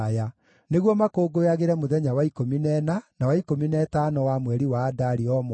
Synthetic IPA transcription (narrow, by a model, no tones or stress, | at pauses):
ja | neɣwɔmakoːɡojaɣeɾɛmoðɛɲawaikominɛnanawaikominɛtanɔwamwɛɾiwaːdaɾiɔm